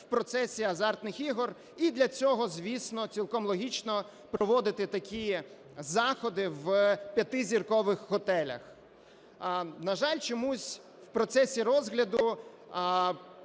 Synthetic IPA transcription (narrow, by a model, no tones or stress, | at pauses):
wpɾɔt̪sɛsʲiɐzɑrt̪nɪxiɦɔr | id̪lʲɐt͡sʲɔɦɔzʲʋʲisnɔt͡sʲilˠkɔmlˠɔɦʲit͡ʃnɔ | pɾɔʋɔd̪ɪt̪ɪt̪ɐkʲʰi | zɑxɔd̪ɪʋpʲjɐt̪ɪzʲirkɔʋɪxhɔt̪ɛlʲɐ̰x | nɐʒɑlʲt͡ʃɔmusʲ | wpɾɔt̪sɛsʲiɾɔzɦlʲɐd̪ʊ